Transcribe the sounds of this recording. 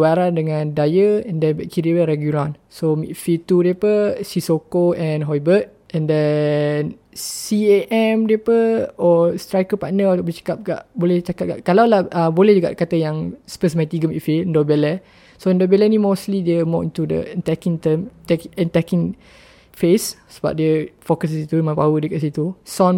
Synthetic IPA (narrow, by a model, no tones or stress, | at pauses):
waɾandəŋãndajəɛ̃ndɛnbɛʔkiɾiəɾɛɡjuɾãn | somḭt̪fit̪udiəpəsisokoɛ̃nɦɔjbət̪̚ | ɛ̃ndɛn | sieʔɛmdiəpəɔst̪ɾajkəpaʔnət̪ɔʔbət͡ʃə̥kap̚ɡa̰ʔbolɛht͡ʃakat̚ɡaʔkalawlahʔəbolɛhd͡ʒuɡa̰ʔkat̪əjaŋspəs̬mɛt̪iɡəmitfiəndɔbelɛ | soəndɔbɛlɛnĩmoslidiəmɔʔĩnt̪udə̰ənt̪ɛkiŋt̪əmt̪ɛkɛnt̪ɛkĩŋ | fessəba̰p̚diəfokəs̬sit̪umãpawədiəkaʔsit̪usɔn